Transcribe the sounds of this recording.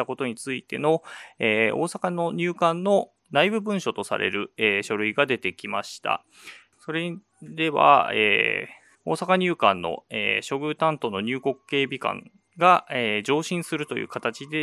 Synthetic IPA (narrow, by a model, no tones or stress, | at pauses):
ako̞t̪o̞ɲ̟it͡sɨit̪e̞̰no̞eːo̞̰ːsakano̞ɲ̟ʲɨːkãnːo̞ | naibɯ̟bɯ̟̃ɰ̃ɕo̞t̪o̞sa̰ɾʔe̞̰ɾɯ̟eːɕo̞ɾɯ̟iɡad̪e̞t̪e̞kʲimaɕi̥t̪a̰ | so̞ɾe̞ | d̪e̞βa̰ḛː | o̞ːsakaɲ̟ʲɨːkãnːo̞̰ḛːɕo̞ɡɯ̟t̪ãnt̪o̞no̞ɲ̟ɨːko̞kɯ̟̥ke̞ːbʲikã̰ŋ | ɡaeːd͡ʑo̞ːɕĩɰ̃sɨɾɯ̟t̪o̞jɯ̰ːkat̪at͡ɕid̪e̞